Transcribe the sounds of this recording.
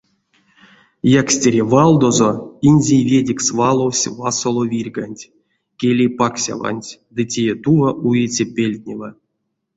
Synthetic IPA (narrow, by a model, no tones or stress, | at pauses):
jaksʲtʲeɾʲevalˠd̪o̞zoinʲzʲejvʲedʲiksvalˠowsʲvasolˠovʲirʲɡanʲtʲ | kʲelʲejpaksʲa̰va̰nʲtʲd̪ɨtʲejet̪uvaʔujet͡sʲepʲelʲt̪ʲnʲeva